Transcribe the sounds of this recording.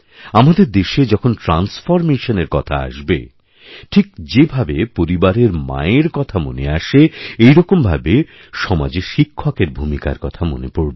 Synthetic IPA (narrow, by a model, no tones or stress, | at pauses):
amad̪eɾd̪eʃed͡ʑɔkʰonʈɾansfoɾmeʃoneɾkɔt̪ʰa̰a̰ʃbḛ | ʈʰikd͡ʑebʱabepoɾibaɾeɾma̰eɾkɔt̪ʰamo̰neaʃeejɾɔkombʱa̰be | ʃɔma̰d͡ʑeʃikʰːokeɾbʱumika̰ɾkɔt̪ʰamo̰nepoɾbe